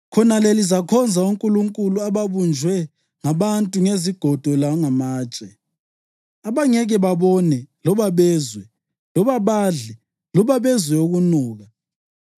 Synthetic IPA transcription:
kʰɔnalelizakʰɔnd͡zʱauŋkʼuluŋkʼuluaβaβund͡ʒʱwɛ | ŋaβantʼuŋeziɡ̥ʱɔd̥ʱɔlaŋamaːt͡ʃʼɛ | aβaŋɛɣɛβaβɔnɛlɔβaβɛːzwɛ | lɔβaβaɮɛ | lɔβaβɛzwɛoɣunuːɣa

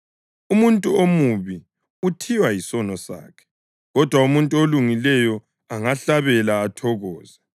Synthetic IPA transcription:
umuntʼuomuβi | utʰiwajisɔnɔsa̰ːkʰɛ̥ | ɣɔd̥ʱwaumuntʼuoluŋilɛjɔ | aŋaɬaβɛlaːtʰɔɣɔːz̥a

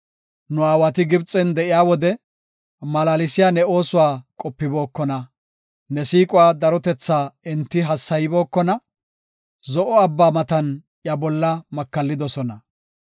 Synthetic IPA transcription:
nʊaːwɐt̪ɪɡɪbt͡sʼɛnd̪ɛʔɪjaːwɔd̪ɛ | mɐlaːlɪsɪjaːnɛo̞ːsʊwaːkʼɔpːɪbo̞ːkːɔnɐ | nɛsiːkʼʊwaːd̪ɐɾɔt̪ɛt͡sːaːɪnt̪ːɪɦɐsːɐjɪbo̞ːkːɔnɐ | zɔʔɔɐbːaːmɐt̪ɐn | jɐbɔlːɐmɐkːɐlːɪd̪ɔsɔnɐ

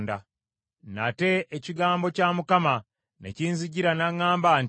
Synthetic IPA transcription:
nda̰ | na̰te̞ʔeciɡaːmbo̞camukama | nḛciːnziɟiɾanaŋːaːmbaːn

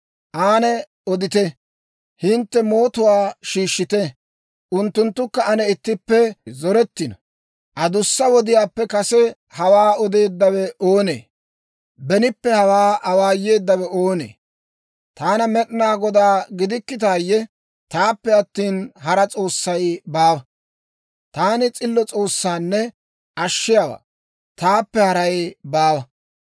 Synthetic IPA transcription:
ʔaːnɛ | ɔd̪ɪt̪ɛ | hɪnt̪ːɛmo̞ːt̪ʊwaːʃiːʃːɪt̪ɛ | ʔʊnt̪ːʊnt̪ːʊkːɐɐnɛɪt̪ːɪpːɛzɔɾɛt̪ːɪnɔ | ʔɐd̪ʊsːɐwɔd̪ɪjaːpːɛkɐsɛ | hɐwaːɔd̪e̞ːd̪ːɐwɛʔoːnḛː | bɛnɪpːɛhɐwaːʔɐwaːjːe̞ːd̪ːɐwɛoːnḛː | t̪aːnɐmɛɗɪnaːɡɔd̪aːɡɪd̪ɪkːɪt̪̬aːjːɛ | t̪aːpːɛɐt̪ːiːnhɐɾɐt͡sʼo̞ːsːɐjbaːwɐ | t̪aːnɪt͡sʼɪlːɔt͡sʼo̞ːsːaːnːɛ | ʔɐʃːɪjawa̰ː | t̪aːpːɛhɐɾɐjbaːwɐ

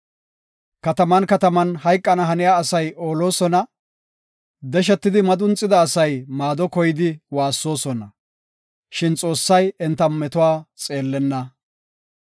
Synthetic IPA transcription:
kɐt̪ɐmɐnkɐt̪ɐmɐnhɐjkʼːɐnɐɦɐnɪjaːsɐjo̞ːlo̞ːsɔnɐ | d̪ɛʃ̬ɛt̪ːɪd̪ɪmɐd̪ʊnt͡sʼːɪd̪ɐːsɐjmaːd̪ɔkɔjɪd̪ɪwaːsːo̞ːsɔnɐ | ʃɪnt͡sʼo̞ːsːɐjɛnt̪ːɐmɛt̪ʊwaːt͡sʼe̞ːlːɛnːɐ

